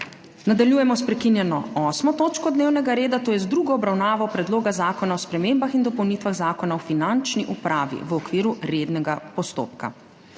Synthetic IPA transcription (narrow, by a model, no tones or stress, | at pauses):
nad̪aljuːjɛmɔspɾɛkinjɛnɔɔːsmɔt̪oːt͡ʃkɔd̪neːwnɛɡaɾeːd̪at̪oːjɛzd̪ɾuɡɔɔbɾawnaːʋɔpɾɛd̪loːɡazaːkɔnaɔspɾɛmeːmbaxind̪ɔpɔwnit̪ʋaɣzaːkɔnaɔfinant͡ʃniʔupɾaːʋḭʋɔkʋiːɾuɾed̪nɛɡapɔst̪o̰ːpka̰